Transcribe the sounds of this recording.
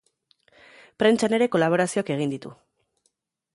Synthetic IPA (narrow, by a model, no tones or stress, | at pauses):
pɾe̞nt͡ʃane̞ɾe̞ko̞laβ̞o̞ɾasioake̞ɣ̞ind̪it̪ṵ